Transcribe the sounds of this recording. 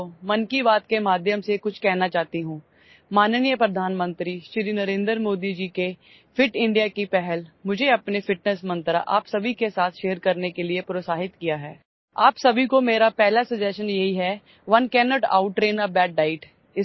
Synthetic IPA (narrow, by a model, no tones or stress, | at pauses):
omɐnkibaːt̪kemaːd̪ʱjəmsekʊt͡ʃʰkɛɦnat͡ʃaːt̪iɦũː | maːnnijəpɾɐd̪ʱaːnmə̃nt̪ɾiʃɾinɐɾẽːnd̪ɾmoːd̪id͡ʒike | fɪʈɪ̃ɳɖijakipɛɦɛlmʊd͡ʒʱeɐpnefɪʈnəsmɐ̃nt̪ɾa̰ʔa̰ːpsɐbʱikesaːt̪ʰʃeːɾkɐɾnekeliepɾoːsaːɦɪt̪kijaɦɛː | aːpsɐbʱikomeːɾapɛɦlasɐd͡ʒɛːʃənjɐɦiɦɛ | ʋɐnkɛːnɔːʈa̰ːʊʈːɾeːnabɛːɖ̚ɖaːɪʈ | ɪ